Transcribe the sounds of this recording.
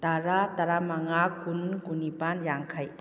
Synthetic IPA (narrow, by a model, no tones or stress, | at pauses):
t̪aɾataɾamaŋakunkunipanjaŋkʰaj